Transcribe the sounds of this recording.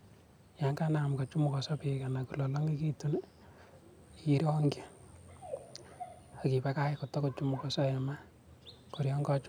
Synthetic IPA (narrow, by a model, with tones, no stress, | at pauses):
ja˨ŋkana˨mkɔ˨t͡ʃu˦mu˨kɔ˨sɔ˦pi˨ka˨naku˨lɔ˨lo˦ŋi˦ki˦tu˦n | ii˦ɾɔŋɡi˦ | aki˨pɛ˦ka˦ɪko˨tɔ˦kot͡ʃu˦mʊkɔ˨sɔ˦ɛma˦ | ko˨ɾjɔ˦ŋɡɔt͡ʃ